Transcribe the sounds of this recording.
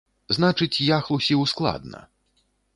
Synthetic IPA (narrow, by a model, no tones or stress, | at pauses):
znat͡ʂɨt͡sʲjaxlˠusʲiwsklˠa̰d̪nɐ̰